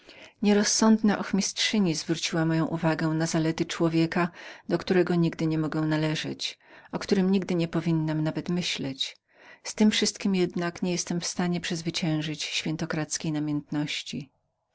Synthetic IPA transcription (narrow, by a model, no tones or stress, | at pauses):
ɲɛɾɔsːɔnd̪naʔɔxmʲistʂɘɲizvɾut͡ɕiwamɔjɔ̃w̃ʔuvaɡɛ̃nazalɛt̪ɘt͡ʂwɔvʲjɛkad̪ɔkt̪uɾɛɡɔɲiɡd̪ɘɲɛmɔɡɛw̃nalɛʐɛ̰t͡ɕʔɔkt̪uɾɘmɲiɡd̪ɘɲɛpɔvʲinːamnavɛt̪mɘɕlɛt͡ɕ | st̪ɘmfʂɘst̪kʲimjɛd̪nakɲɛjɛst̪ɛmfst̪aɲɛpʂɛzvɘt͡ɕɛ̃w̃ʐɘt͡ɕɕfʲɛnt̪ɔkɾat̪skʲejnamʲjɛnt̪nɔɕt͡ɕi